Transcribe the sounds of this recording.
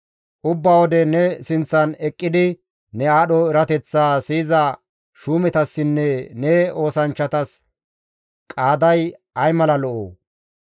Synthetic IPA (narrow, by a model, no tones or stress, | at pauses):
ʔʊbːaːwɔd̪ɛnɛsɪnt͡sːɐnɛkʼːɪd̪ɪ | nɛaːɗɔɪɾɐt̪ɛt͡sːaːsiːzɐ | ʃuːmɛt̪ɐsːɪnːɛnɛo̞ːsɐnt͡ʃːɐt̪ɐs | kʼaːd̪ɐj | ɐjmɐlɐlɔʔo̰ː